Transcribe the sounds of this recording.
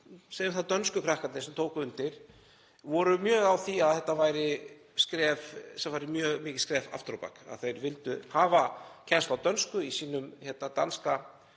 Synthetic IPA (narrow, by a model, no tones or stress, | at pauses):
sejʏmθaðt̪œnskʏkʰɾahkat̪nɪsɛmt̪ʰoːwkʏʏnt̪ɪɾ̥ | vɔɾʏmjœːɣawθiaðθɛht̪ːavaːjɾɪ | skɾɛːvsɛvaːjɾɪmjœːɣmiːcɪskɾɛːva̰ft̪ɾopa̰ka̰ðθejɾvɪlt̪ʏhaːvacʰɛnst̪awt̪œnskʏisiːnʏmçɛt̪nat̪a̰nska